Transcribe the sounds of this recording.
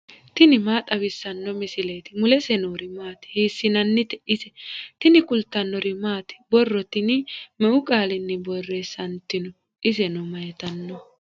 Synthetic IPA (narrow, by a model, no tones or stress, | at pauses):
t̪ɪnɪmaːt̪ʼɐwɪsːɐnːɔmɪsɪleːt̪ɪmʊlɛsɛnoːɾɪmaːt̪ɪ̥hiːsːɪnɐnːɪt̪ɛ̥ʔɪsɛt̪ɪnɪkʊlt̪ːɐnːɔɾɪmaːt̪ɪ̥bɔrːɔt̪ɪnɪmɛʔʊkʼaːlɪnːɛbɔrːeːsɐnt̪ːɪnɔ | ʔɪsɛnɔmɐjɛt̪ɐnːɔ